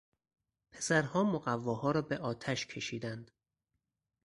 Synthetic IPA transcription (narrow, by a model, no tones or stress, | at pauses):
pʰe̞̥sæɾhɒːmoɣævːɒːhɒːɾɒːbeʔɒːt̪ʰæʃkʰe̞ʃiːd̪ænd̪̥